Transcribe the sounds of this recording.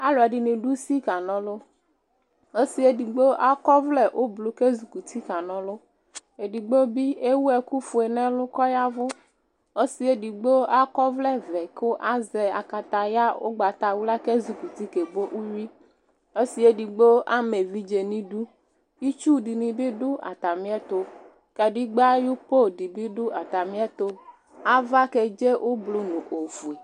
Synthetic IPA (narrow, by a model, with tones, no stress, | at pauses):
a˦lo˨a˨ɖi˨nĩ˨ɖu˦si˦ka˨nɔ̃˨˦lo˦ | o˦si˦e˦di˨ɡ͡bo˦ʔa˦kɔ˦vlɛ˦ʔo˦blo˨ke˦zu˨ku˨t̪ʰi˦ka˨nɔ̃˨lo˦ | e˨di˨ɡ͡bo˦bi˦e˦wu˦ɛ˦ku˦fu˨e˨nɛ̃˦lʊ˦kɔ˦ja˦vʊ˦ | o˦si˨e˦di˨ɡ͡bo˦a˦kɔ˦vlɛ˦vɛ˨ko˦ʔa˦zɛ˨a̰˨ka˨t̪a˨ja˦o̰˦ɡ͡ba˨t̪a˨wu˦la˦ke˦zu˨˦ku˨t̪i˦ke˨ɡ͡bo˦ʔu˦ji˦ | o˦si˨e˦di˨ɡ͡bo˦a˦me˨vi˦d͡ʒe˨nĩ˦ɖu˦ | i˦t͡ʃu˦di˨nĩ˨bi˦ɖu˦ʔa̰˨t̪a˨mĩ˦ɛ˦t̪o˦ | kɛ˨ɖi˦ɡ͡ba˦ju˦po˦di˨bi˦ɖʊ˦a˨t̪a˨mĩ˦ɛ˦t̪o˦ | a˦va˦ke˨d͡ʒe˦ʔo˦blu˦nũ˨ʔo˨fu˨e˨